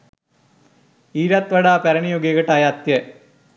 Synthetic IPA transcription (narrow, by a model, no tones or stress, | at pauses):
iːɾat̪ʋɐɽaːpɐɾɐɳijoɡeɣɐʈːaːjɐːt̪jɐ